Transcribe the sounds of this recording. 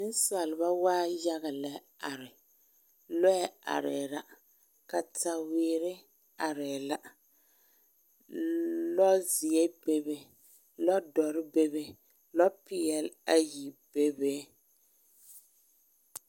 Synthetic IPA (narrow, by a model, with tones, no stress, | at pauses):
n̩˦sa˨lɪ˨ba˦waː˦ja˦ɣa˨lɛ˨ | a˨ɾɪ˨ | lɔ˦ɛ˦a̰˨ɾɛː˨la˨ | ka˨ta˨weː˨ɾɪ˦ | a˨ɾɛ˨la˦ | lɔ˦zi˨ɛ˦be˦be˦ | lɔ˦dɔ˨ɾɪ˦be˦be˦ | lɔ˦pi˨jɛ˨la˦ji˨b̥e˦be˦